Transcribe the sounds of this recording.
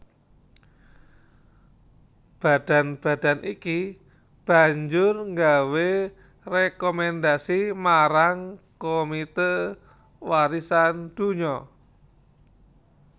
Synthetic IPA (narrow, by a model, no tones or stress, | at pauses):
b̥a̤d̥a̤nb̥a̤d̥a̤nʔiki | b̥a̤ɲd͡ʒʊrŋɡawe | rekomɛnd̪asimaɾaŋkomit̪e | waɾisand̪̥ṳɲɔ